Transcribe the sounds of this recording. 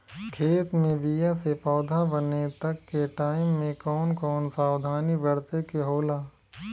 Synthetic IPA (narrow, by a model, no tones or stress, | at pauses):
kʰeːt̪mẽbijasepɔːd̪ʱabənet̪ɐkːeʈaːɪmːẽkɔːnkɔːnsaːwd̪ʱaːnibɐɽt̪ekeɦoːlaː